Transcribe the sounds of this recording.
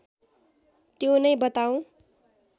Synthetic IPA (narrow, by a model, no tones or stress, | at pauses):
t̪jonʌjbʌt̪aw̃